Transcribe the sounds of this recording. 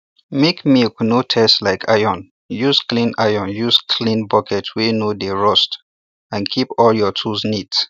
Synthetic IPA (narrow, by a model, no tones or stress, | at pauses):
mekmilknotʰɛstlaɪkʰajɔ̃n | jusklĩnajɔ̃njuskʰlĩnbɔkʰɛtʰwinodeɹɔst | ãnkʰipɔljɔtʰusnit